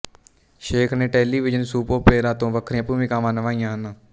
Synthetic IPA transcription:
ʃeːkʰnẽːʈɛːliːʋɪd͡ʒənsuːpõːpeːɾaːt̪õːʋəkʰɾẽːapuːʋĩːkaːmaːnəʋãːijãːɦən

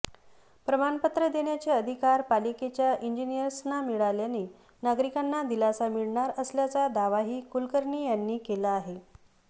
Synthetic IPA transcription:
pɾəmanpət̪ɾəd̪eɳjat͡seəd̪ʱikaɾpaliket͡ɕjaʔiɲd͡ʑinijəɾsnamiɭaljane | naɡɾikanːad̪ilasamiɭɳaɾəsljat͡sad̪aʋaɦiːkulkəɾɳiːjanːiːkelaːɦe

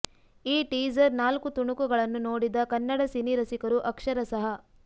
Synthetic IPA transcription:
iːʈiːd͡ʒɐɾnaːlkut̪uɳukuɡɐɭɐnːunoːɽid̪ɐkɐnːɐɽɐsiniɾɐsikɐɾuʔɐkʂɐɾɐsɐɦɐ

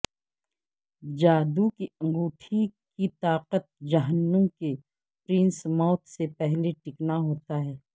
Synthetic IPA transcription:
d͡ʒaːd̪ukiɐ̃ŋɡuːʈʰikit̪aːqət̪̚d͡ʒɐɦənːəmke | pɾɪ̃nsmɔːt̪sepɛɦleʈɪknaɦoːt̪aɦɛː

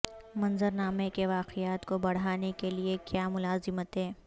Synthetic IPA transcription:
mɐnzəɾnaːmekeʋaːqijaːt̪kobɐɽ̤aːnekeliekjaːmʊlaːzɪmət̪ɦɛ̃ː

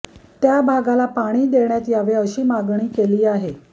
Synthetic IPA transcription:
t̪jabʱaɡalapaɽ̃iːd̪eɳjat̪jaʋeəɕiːmaɡɳ̃iːkeliːaɦe

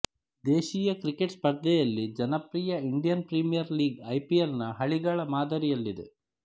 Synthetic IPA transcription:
d̪eːʃijɐkɾikeʈspɐɾd̪ɛjɐlːid͡ʒɐnɐpɾiːjɐiɳɖijɐnpɾimijɐɾliːɡɐjpijɐlnɐɦɐɭiɡɐɭɐmaːd̪ɐɾijɐlːid̪e̞̰

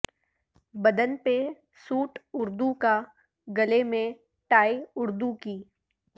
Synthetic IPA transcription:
bɐd̪ənpe | suːʈʊɾd̪uka | ɡɐlemẽ | ʈaːiʊɾd̪ukiː

